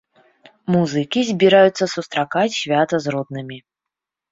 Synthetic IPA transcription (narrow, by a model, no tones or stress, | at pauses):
muzɨkʲizʲbʲiɾajut̪sːɐsust̪ɾakat͡sʲsʲvʲat̪ɐzrɔd̪̚nɨmʲi